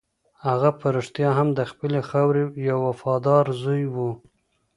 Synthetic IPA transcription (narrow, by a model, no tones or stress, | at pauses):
haɣapaɾɪʂt̪jɑɦamd̪əxpəlexawɾejawːafɑd̪ɑɾzujwu